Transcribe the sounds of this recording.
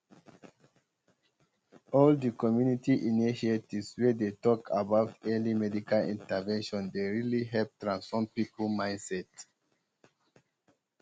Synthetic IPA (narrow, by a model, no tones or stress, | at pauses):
ɔldikɔmjunitiʔiniʃetiswɛdetɔkʰa̰baʊtɛlimɛdikʰalḭ̃ntavɛ̃nʃɔ̃ndeɹiliɦɛlp̚tɹãnsfɔmpipəlmãɪ̃nsɛt